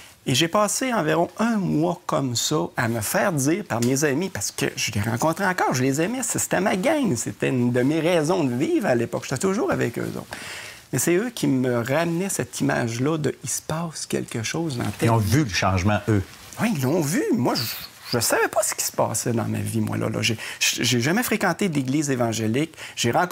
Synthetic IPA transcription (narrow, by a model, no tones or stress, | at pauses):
eʒepɑːseɑ̃viʁɔ̃œ̃mwakɔmsʌaməfɛːʁd͡z̪iːʁpaʁmezamipaʁsə̥kə̰ʒəleʁɑ̃kɔ̃t̪ʁeɑ̃kɑːʁʒəlezɛmɛsse̥t̪ɛmaɡaŋset̪ɛynd̪əmeʁɛːzɔ̃d̪əviːvʁalepɔ̰kʒe̥t̪ɛt̪ʊʒuːʁavɛ̰kø̰ːzo̰wt̪mɛsɛøkʲʰiməʁamnɛsɛt̪ima̰ːʒlʌd̪əispɑːskʲɛ̰lkəʃoːzd̪ɑ̰̃t̪ɛɔ̃vyləʃɑ̃ʒmɑ̃ø | wiilːɔ̃vymwaʒə | ʒ̥əsavɛpʌsə̥kʲi̥spɑ̰ːsɛd̪ɑ̰̃ma̰vimwʔa̰lʔʌ̰lʔʌ̰ʒeʒʒeʒamɛfʁekɑ̃t̪ed̪eɡliːzevɑ̃ʒelɪkʒ̥eʁɑ̃